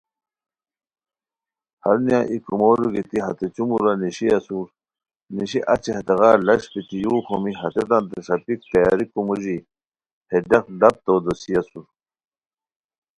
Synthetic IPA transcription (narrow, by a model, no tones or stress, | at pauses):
hɐɾnijãʔikumoɾiɡit̪iɦɐt̪et͡ɕumuɾaniɕiɐsuɾ | niɕiʔɐt͡ɕihɐt̪eɣaːlɐɕpit̪ijuːxomiɦɐt̪et̪ãnt̪eʂɐpik̚t̪ɐjaɾikumuʑi | hed̪exlɐp̚t̪od̪osijɐsuɾ